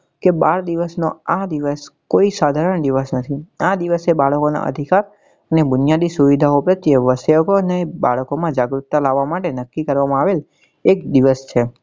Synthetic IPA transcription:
kebaɾd̪iʋəsno̰ad̪iʋəskoisad̪ʱaɾəɳd̪iʋəsnət̪ʰiad̪iʋəsebaɭəkona̰ʔə̰d̪ʱikaɾ | ənebʊnijad̪isuʋid̪ʱaopɾət̪ːjeʋəseəkoneba̰ɭəkomãd͡ʒaɡɾut̪ːalaʋːamaʈenəkːikəɾʋamãaʋel | ekd̪iʋəst͡ʃʰe

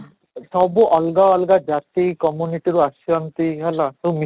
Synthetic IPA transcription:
sɔbuʔɔlɡaɔlɡad͡ʒat̪ikɔmjuniʈiɾuasjɔnt̪iɦɛlat̪umi

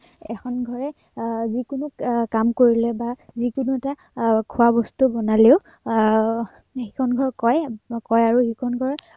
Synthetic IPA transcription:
ɛkʰɔnɡʱɔɹɛ | zikunʊkkamkoɹilɛbazikunuɛta | kʰuabɔstubɔnaleʊ | hikʰɔnɡʱɔɹkɔjkɔjaɹuhikʰɔnɡʱɔɹ

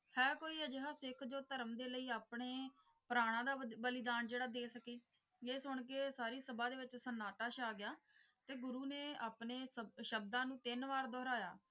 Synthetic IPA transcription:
hɛːkoːiːɛd͡ʒɪɦaːsɪkʰd͡ʒoːt̪əɾəmd̪eːləiːaːpɽeː | pəɾaːɽ̃ãːd̪aːbəlɪd̪aːnd͡ʒeːɽaːd̪eːsəkeː | eːsʊɳkeːsaːɾiːsəbãːd̪eːʋɪt͡ʃsənaːʈaːʃaːɡɪjaː | t̪eːɡʊɾuːneːaːpneːsəʃəb̚d̪ãːnũːt̪ɪnʋaːɾd̪ɔːɾaːja̰ː

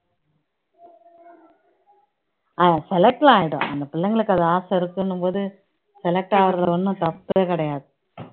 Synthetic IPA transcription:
ɐsɛlɛk̚ʈl̃aːjɪɽõ̰ʔɐ̰nd̪ɐpɪlːɐŋɡɐɭɯkːɐðɯaːsɐɪɾɯkːɯnːɯmpoːðɯ | sɛlɛk̚ʈaːʋɐɾɣɐlɐʋɐnːɯ̃t̪ɐpːeːkɐɽɐjaːðɯ

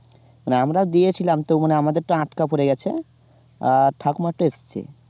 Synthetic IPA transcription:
maneamɾad̪ijet͡ɕʰilamt̪owmaneamad̪eɾʈaãʈkapoɾeɡɛt͡ɕʰḛ | aʈʰakomaʈoest͡ɕʰḛ

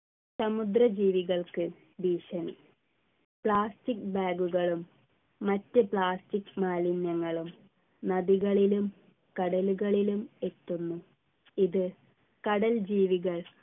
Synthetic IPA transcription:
sɐmud̪rɐd͡ʑiːʋiɣɐɭkɨ | biːʂɐnḭ | pɭaːstikbaːɡuɣɐɭumː | ɐtːɨpɭaːstikmaːlinjɐŋːɐɭum | nɐðiɣɐɭilum | kɐɽɐluɣɐɭilume̞t̪ːunːu | iðɨ | kɐɽɐld͡ʑiːʋiɣɐɭ

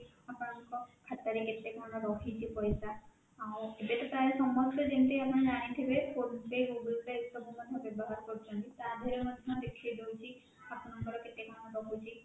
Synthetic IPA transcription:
apɔñɔŋkɔkʰat̪aɾiket̪ekmañɔɾɔɦʰit͡ʃʰipɔjsaː | webeʈɔt̪aɾesɔmɔstɔd͡ʒenʈeapɔñɔd͡ʒaɽ̃it̪ʰibepʰoɾnsejɡuɡultesɔbɔmɔd̪ʱjɔbjɔbɔɦaɾkɔɾit͡ʃʰɔnt̪it̪ad̪ʱɔɾemɔd̪ʱɔd̪ekʰijd̪ewt͡ʃʰi | apɔnɔŋkɔɾɔket̪ekmaɽɔɾɔɦut͡ʃʰi

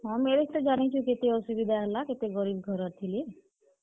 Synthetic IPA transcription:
ɦameɾekʈad͡ʒanit͡ʃʰuket̪eɔsubid̪ʱaɦɛlaket̪eɡɔɾibɡʱɔɾɔt̪ʰile

